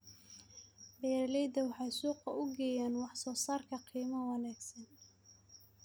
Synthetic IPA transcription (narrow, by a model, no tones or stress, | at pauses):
bɛːɾlɛjd̪ɐwɑħɑjsuːqɐʔʊɡɛːjaːnwɑħsɔːsaːrkʰɐqʰiːmɐwɑnaːɡsɐn